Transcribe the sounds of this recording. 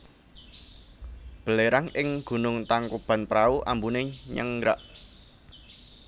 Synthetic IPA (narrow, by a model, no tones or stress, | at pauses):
b̥ə̤leɾaŋɪŋɡ̥ṳnʊŋt̪aŋkub̥a̤npɾauʔambunɪɲə̰ŋɡɾa̰ʔ